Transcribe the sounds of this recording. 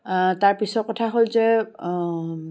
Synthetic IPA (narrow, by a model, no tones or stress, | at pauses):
taɹpisɔt̚kɔtʰaɦolzɛ